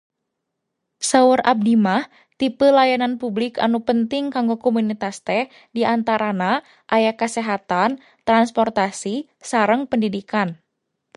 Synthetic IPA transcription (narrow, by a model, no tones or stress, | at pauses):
saurʔa̰b̚dimah | t̪ipəlajananpublɪka̰nupənt̪ɪŋkaŋɡokɔmunit̪ast̪ɛh | diant̪aɾana | ʔajakəsɛɦat̪an | t̪ɾanspɔrt̪asi | saɾəŋpəndidikan